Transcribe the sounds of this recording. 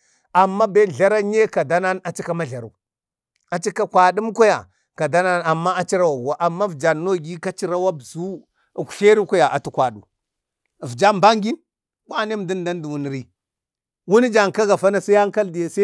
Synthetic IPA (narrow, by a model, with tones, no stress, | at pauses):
a˨mːa˦be˦˨ɮa˦ɾa˦ɲe˦ka˨da˦na˦na˨t͡ʃi˦ka˦ma˦ɮa˨ɾu˨ | a˨t͡ʃi˦ka˦kʷa˨ɗu˦mkʷa˦ja̰˨ | ka˨da˦na˦na˨mːa˦a˦t͡ʃi˦ɾa˦wa˨ɡu˨wa˨˦ʔa˨mːa˦vd͡ʒa˨nno˦˨ɡi˦ka˦t͡ʃi˦ɾa˦wa˦bzu˦˨ | kʷu̥˨ɬe˦ɾi˦ka˦ja˨ʔa̰˨tu˦kʷa˨ɗṵ˨ | vd͡ʒa˦mba˦ŋɡi˦n | kʷa˦ne˦m˨di˦n˦da˦n˦du˨wu˨n˨ɾi˦ | wu˦ni˦d͡ʒa˨ŋka˦ɡa˨fa˦na˨sa˦a˦ŋ˦ka˦ldi˨ja˨sa˦